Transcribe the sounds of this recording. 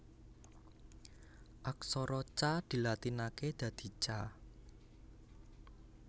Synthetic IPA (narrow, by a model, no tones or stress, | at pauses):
ʔaksɔɾɔt͡ʃad̪̥i̤lat̪inaked̪̥ä̤d̪̥i̤t͡ʃa